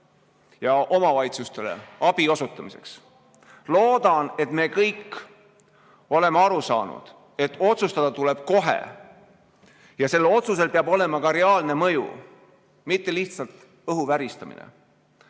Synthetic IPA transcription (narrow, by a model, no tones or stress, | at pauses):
jɑʔo̞mɑvɑjt̪sust̪e̞lḛɑb̥io̞sut̪ːˑɑmise̞̰ks | lo̞ːd̪ɑne̞t̪me̞ːkɤjkː | o̞le̞meɑɾusɑ̰ːnṵd̪̥ | e̞t̪ːˑo̞t̪sust̪ɑd̪̥ɑt̪uleb̥̚ko̞ɦḛ | jɑse̞lːo̞t̪sus̬e̞lpeɑbo̞le̞mɑkɑɾe̞ɑːlne̞mɤjṵ | mit̪ːe̞liht̪sɑlt̪ | ɤɦuvæɾist̪ɑmḭnḛ